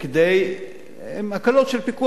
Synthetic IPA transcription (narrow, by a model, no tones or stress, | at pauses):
ked̪ej | emakalot̪ʃelpiku